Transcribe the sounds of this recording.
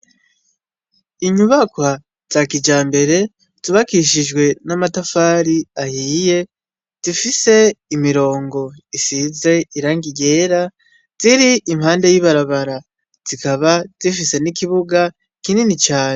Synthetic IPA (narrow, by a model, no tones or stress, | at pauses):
iɲuβakwa | z̥akid͡ʒaːmbe̞ɾe̞ | z̥iβakiʃ̬id͡ʒɡwe̞namatafaːɾiahiːje̞ | z̥ifise̞imiɾo̞ːŋɡo̞isize̞iɾaːŋɡiɡe̞ːɾa | z̥iɾiːmhaːnde̞jiβaɾaβaɾa | z̥ikaβaz̥ifise̞nikiβuɡa | kininit͡ʃaːɲe